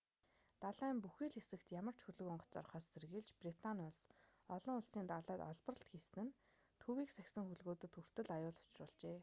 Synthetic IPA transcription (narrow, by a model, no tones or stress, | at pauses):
t̪aɮæːmpuxiːɮxesɘ̆kt̪jamə̆r̥t͡ɕʰxɵɮɵ̆kɔɴɢɞ̆t͡ɕt͡sɔ̰rχɔːsːerɣɘ̆ːɮt͡ɕprit̪ʰanʊs | ɔɮɞ̆ŋʊɮsiːnt̪aɮæːt̪ɔ̰ɮpə̆rə̆ɬt̪xisnɘ̆n | t̪ʰuwiːksæxʲsɘ̆ŋxuɮɣoːt̪ɵ̆t̪xur̥t̪ɘ̆ɮajʊːɮʊ̥t͡ɕrʊ̰ːɮt͡ɕeː